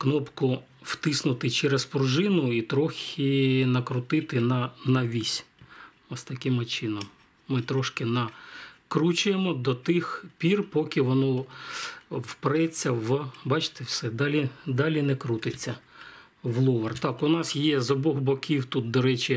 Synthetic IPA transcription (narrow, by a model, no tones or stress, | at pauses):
knɔpkʊ | wt̪ɪsnʊt̪ɪt͡ʃɛɾespʊrʒɪnʊit̪ɾɔxʲiɪnɐkɾʊt̪ɪt̪ɪnɐnɐʋʲisʲ | ɔst̪ɐkɪmɪt͡ʃɪnɔm | mɪt̪ɾɔʃkɪnɐkɾut͡ʃʊjemɔd̪ɔt̪ɪxpʲirpɔkʲɪʋɔnɔ | wpɾɛt͡sʲːɐʋbɑt͡ʃɪ̥t̪ewsɛd̪ɑlʲid̪ɑlʲinɛkɾut̪ɪt͡sʲːɐ | ʋlˠɔʋɐrt̪ɑkʊnɑsjɛzɔbɔɣbɔkʲiwt̪ut̪̚d̪ɔɾɛt͡ʃɪ